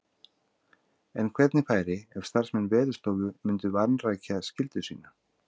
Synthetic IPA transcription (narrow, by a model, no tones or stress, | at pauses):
ɛnkʰvɛt̪nɪfaːjɾɪɛfst̪ar̥smɛnːvɛːðʏ̥st̪oːwɣʏmʏnt̪ʏvanraːjcʰaðscɪlt̪ʏsḭːna